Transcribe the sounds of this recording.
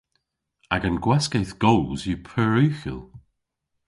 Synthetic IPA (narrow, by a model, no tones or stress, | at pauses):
aɡanɡwɛskejθɡ̥owlzjəpʰəɹʉxɪ̰lˠ